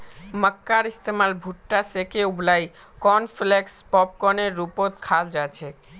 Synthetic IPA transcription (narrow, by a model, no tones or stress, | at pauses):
məkːaɾist̪emalbʱuʈʈasekeublaj | kɔnflekspɔp̚kɔneɾːupot̪kʰald͡ʑat͡ɕʰe